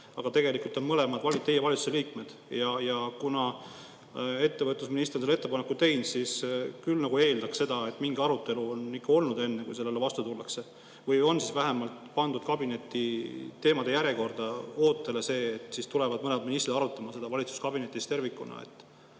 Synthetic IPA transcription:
ɑɡ̥ɑt̪e̞ɡe̞likult̪o̞nmɤle̞mɑd̪̥vɑlit̪ːe̞je̞vɑlʲit̪su̥se̞liːkme̞d̪̥jɑjɑkunɑ | e̞t̪ːe̞vɤt̪ːˑusminist̪rnselet̪ːe̞pɑnekːˑut̪e̞jnsiskylnɑɡue̞ːld̪ɑksse̞d̪̥ɑe̞t̪ːˑmiŋɡɑɾut̪ːˑe̞luo̞nikːɑo̞lnud̪e̞nːekṵjse̞lːe̞lːevɑst̪ut̪ulːɑkse̞ | vɯjo̞nsisvæɦemɑlt̪pɑnd̪ud̪̥̚kɑbine̞t̪ːˑit̪e̞ːmɑd̪̥e̞jæɾje̞ko̞rd̪ɑo̞ːt̪ːˑe̞le̞se̞ːt̪ːˑsist̪ule̞vɑd̪̚mɤnemɑd̪minist̪riɑɾut̪ːˑɑmɑse̞d̪̥ɑvɑlit̪su̥skɑbine̞t̪ːˑist̪e̞rvikːˑunɑ̰ḛt̪ːˑ

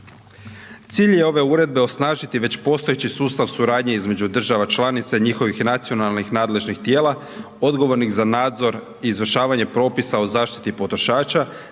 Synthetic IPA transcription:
t̪siːʎje̞o̞ʋe̞uːɾe̞d̪̚be̞o̞snaːʒit̪iʋe̞t͡ɕpo̞st̪o̞jet͡ɕisuːst̪aʋsuɾaːd̪ɲe̞izme̞d͡ʑud̪r̩ʒaʋat͡ʃlˠanit̪saiɲixo̞ʋixnat̪sio̞nalˠnixnaːd̪le̞ʒnixt̪je̞ːlˠa | o̞d̪ɡo̞ʋo̞ɾniɣzanaːd̪zo̞ɾ | iːzʋr̩ʃaːʋaɲe̞pɾo̞ːpisaozaːʃt̪i̥t̪ipo̞t̪ɾoʃaːt͡ʃa

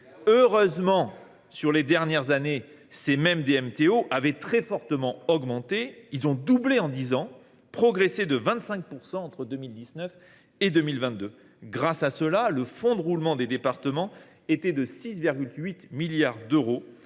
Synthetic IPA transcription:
øʁøzmɑ̃ | syʁled̪ɛʁnjɛʁzane | semɛmd̪eɛmt̪eoʔavɛt̪χɛfɔʁt̪əmɑ̃ɔɡmɑ̃t̪eilzɔ̃d̪ubleɑ̃d̪izɑ̃ | pχɔɡʁesed̪əvɛ̃t̪sɛ̃k̚puʁsɑ̃ɑ̃t̪χəd̪əmild̪isnœf | ed̪ømilvɛ̃t̪̚d̪ø | ɡʁasasəlaləfɔ̃d̪əʁulmɑ̃d̪ed̪epaʁt̪əmɑ̃ | et̪ɛd̪əsisviʁɡʲylɥit̪miljaʁd̪øʁo

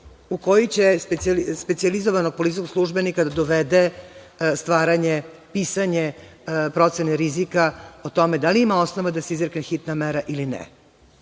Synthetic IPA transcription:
uko̞jit͡ɕespespetsializo̞ʋano̞ɡ̚polit̪ikoɡslˠuʒbenikad̪ad̪oʋed̪e | st̪ʋaːɾaɲepiːsaɲe | pɾo̞t̪seneɾizikaot̪o̞med̪aliimao̞snoʋad̪aseizɾeknexit̪nameɾaʔilinɛ̰

